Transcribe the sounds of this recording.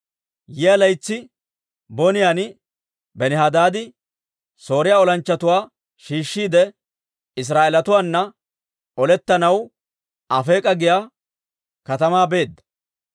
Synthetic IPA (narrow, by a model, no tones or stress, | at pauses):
jɪɐlɐjt͡sːɪ | bɔnɪjanɪ | bɛnɛhad̪aːd̪ɪ | so̞ːɾɪjaːɔlɐnt͡ʃːɐt̪ʊwaː | ʃiːʃːiːd̪ɛ | ɪs̬ɾaːʔeːlɐt̪ʊwaːnːɐ | ɔlɛt̪ːɐnɐw | ɐfe̞ːkʼɐɡɪjaː | kɐt̪ɐmaːbe̞ːd̪ːɐ̥